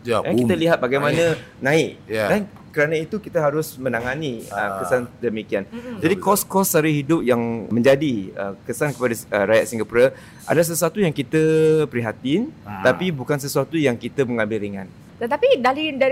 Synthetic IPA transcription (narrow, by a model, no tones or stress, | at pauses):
akit̪əliɦat̪̚baɡajmãnã | nãɪkdan | kəɾanait̪ukit̪aɦaɾʊsmə̃naŋaniə̰kəsandəmikiand͡ʒadikɔskɔsːaɾiɦidʊp̚jaŋmə̃ɲd͡ʒadiə̰kəsankəpadaəɾajaʔsiŋɡapuɾa | ʔa̰das̬əsuat̪ujaŋkit̪əpəɾiɦat̪int̪apibukans̬əsuat̪ujaŋkit̪əməŋãmbɪlɾiŋã̰n | t̪ət̪apidalida